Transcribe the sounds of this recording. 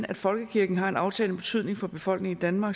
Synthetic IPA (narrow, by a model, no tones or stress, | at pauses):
æd̥fɒ̽lɡ̥əkʰiɐɡ̥n̩ɦɑ̈e̝nɑ̈ʊt͡sʰɛ̰ːlnəb̥e̝t͡sʰyð̰ˠne̝ŋfɒ̽b̥e̝fɒ̽l̰ɡ̥ne̝ŋid̥ænmɑ̈ːɡ